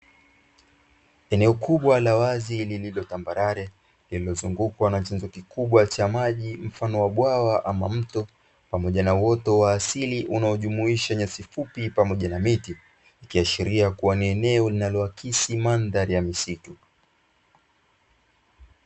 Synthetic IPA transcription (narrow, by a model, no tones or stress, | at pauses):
ɛnɛɔkuɓwalawazilililɔtambaɾaɾɛ | lililɔzuŋɡukwanat͡ʃanzɔkikuɓwat͡ʃamaʄim̩fanɔwaɓwawaʔamam̩tɔ | pamɔʄanawɔtɔwaːsiliʔunaɔʄumuiʃaɲasifupipamɔʄanamiti | ikiaʃiɾiakuwaniɛnɛɔlinalɔakʰisimandaɾijamisitu